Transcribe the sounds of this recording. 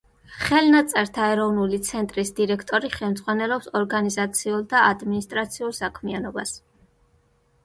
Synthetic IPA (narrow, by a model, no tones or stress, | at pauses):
χɛlnat̪sʼɛɾt̪ʰaɛɾɔvnulit̪sʰɛnt̪ʼɾisd̪iɾɛkʰt̪ʼɔɾiχɛmd̪zʁwanɛlɔpsɔɾɡanizat̪sʰiulˠd̪aad̪minist̪ʼɾat̪sʰiulˠsakʰmianɔbas